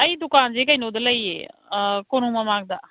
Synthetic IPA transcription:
əiːd̪ʊkaːnd͡ʒeːkəinoːd̪ələiːḛːkonũːmãmãːɡ̚d̪aː

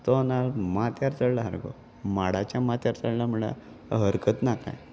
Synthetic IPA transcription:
t̪ɔnalmat̪jaɾt͡səɽlaɦa̰ɾɡɔ̰ | maɽat͡ɕjamat̪jaɾt͡səɽlamuɭa̰ | ɦəɾkət̪naka̰j

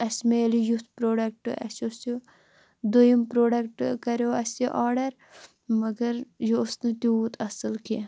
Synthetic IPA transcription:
ɐsʲmeːlijut̪ʰpɾoːɖɐk̚ʈɨʔɐ̰sosu | d̪ojimpɾoːɖɐkʈkɐɾoːɐsiʔaːɾɖɐɾ | mɐɡɐɾjoːsnɨt̪iuːt̪ɐsɨlki

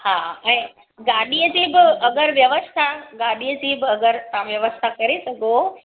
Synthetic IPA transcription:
ɦaːɛ̃ː | ɡaːɗiəd͡ʑiːbɪʔɐɡəɾʋjɐʋəst̪ʰaɡaːɗiəd͡ʑiːbɪɐɡəɾt̪ɐãʋjɐʋəst̪ʰakɐɾesɐɡʱo

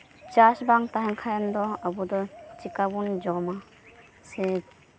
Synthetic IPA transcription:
t͡ʃasbaŋt̪aɦɛnkʰajand̪ɔabud̪ɔt͡ʃikabund͡ʒɔma | sɛ

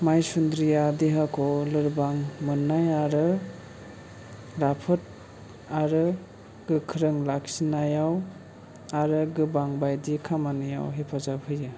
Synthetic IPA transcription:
majsundɾijadiɦakʰɔlɯɾbaŋmɯnːajaɾɯ | ɾapʰɯt̚ | aɾɯ | ɡ̥ɯkʰɯɾɯŋlaksinajaw | aɾɯɡɯbaŋbajdikʰamanɯja̰wɦepʰazabhɯjɯ

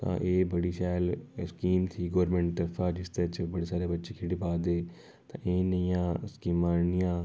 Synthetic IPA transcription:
t̪ã̰ːʔeːbəɽiːʃaːlskiːmt̪ʰiːɡoːɾmẽːɳʈ̚t̪əɾfʰaːd͡ʒɪst̪ət͡ʃbəɽeːsaːɾeːbətːʃeːkʰɪɽiːpaːd̪eː | t̪ã̰ːʔeːnəjãːskiːmaːnɪjãː

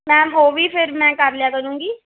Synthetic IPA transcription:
mɛ̃ːɦoːʋiːpʰɪɾmɛ̃ːkəɾljaːkəɾũːŋɡiː

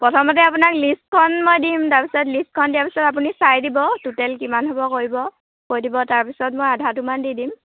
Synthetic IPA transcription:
pɹɔtʰɔmɔt̬ɛapunaklist̚kʰɔnmojdimtaɹpisɔt̬list̚kʰɔndijaɹpi̥sɔtap̬unisajdibɔtutɛlkimanɦobɔkoɹibɔ | kojdibɔtaɹpisɔt̚mɔjadʱatumandidim

